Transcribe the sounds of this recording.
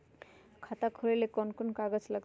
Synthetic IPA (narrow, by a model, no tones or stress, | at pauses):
kʰat̪akʰoɾelekɔnkɔnkaɡot͡slaɡ